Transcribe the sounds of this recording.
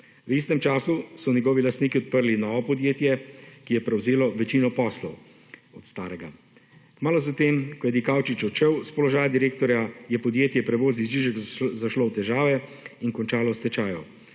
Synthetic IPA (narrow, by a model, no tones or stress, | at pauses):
wist̪ɛmt͡ʃaːsusɔnʲjɛɡɔːʋilast̪niːkiɔt̪̚pəɾlinɔːʋɔpɔd̪jeːt̪jɛkijɛpɾɛwzeːlɔʋɛt͡ʃiːnɔpɔslɔw | ɔt̪st̪aːɾɛɡa | kmaːlɔzat̪eːmkɔjɛd̪ikawt͡ʃit͡ʃɔt͡ʃɛwspɔlɔʒaːjad̪iɾeːk̚t̪ɔɾjajɛpɔd̪jeːt̪jɛpɾɛʋoːzizʒiʒɛkzaʃlɔwt̪ɛʒaːʋɛiŋkɔnt͡ʃaːlɔst̪ɛt͡ʃaːjɔ